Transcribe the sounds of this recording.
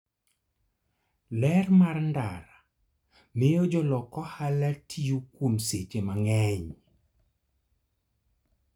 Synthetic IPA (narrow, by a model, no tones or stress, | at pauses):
lɛrmarndaɾa | mɪjɔd͡ʒɔlɔkɔhalatʰijukwunset͡ʃemaŋɛɲ